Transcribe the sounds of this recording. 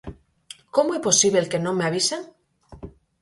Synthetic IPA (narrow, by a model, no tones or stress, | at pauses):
komoeposiβlelke̞nõmeaβ̞iseŋ